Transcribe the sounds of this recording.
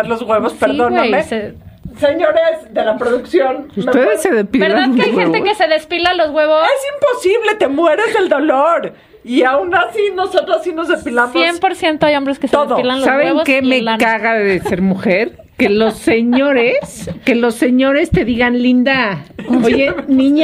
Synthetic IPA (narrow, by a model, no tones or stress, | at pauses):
ɾlozɣweβospeɾiðonamese | seɲo̞ɾezd̪e̞lapɾoðuksjonust̪eðessːeðespibelðaaueajweent̪ekeseðespilalozɣweβoesimpo̞siβle̞t̪e̞mwe̞ɾezðeld̪o̞loɾ | iaunasinosot̪ɾosasinozðespilamoempoɾsjent̪oajombɾeskeset̪oeðoilanlsosaβeŋβokemekaɣaðese̞ɾmuxeɾ | kelo̞sːeɲo̞ɾeske̞lo̞se̞ɲo̞ɾe̞st̪e̞ðiɣanlĩnd̪aoʝenĩɲ